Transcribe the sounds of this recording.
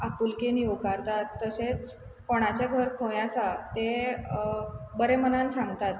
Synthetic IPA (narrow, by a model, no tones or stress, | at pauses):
apulkenijokaɾt̪at̪ːəset͡s | koɽ̃at͡ɕeɡʱəɾkʰə̃jasat̪e | bəɾemənansãŋɡt̪at̪